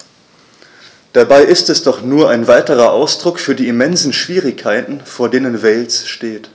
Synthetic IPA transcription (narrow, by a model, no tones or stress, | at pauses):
d̥abaɪʔɪstɛsd̥ɔχnuːɐʔaɪnvaɪtəʁɐʔaʊsd̥ʁʊkfyːɐdiːimɛnzn̩ʃv̥iːʁɪçkʰːaɪtn̩foːɐdeːnənvɛːlsʃteːt